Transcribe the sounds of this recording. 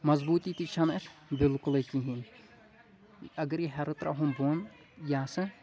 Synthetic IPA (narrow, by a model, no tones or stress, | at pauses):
mɐzbuːt̪it̪it͡ʃʰɐnɐbɪlkʊlɐkiɦin | ɐɡɐɾiɦɐɾɨt̪ɾɐ̰ɦũmboːn | jaːsɐ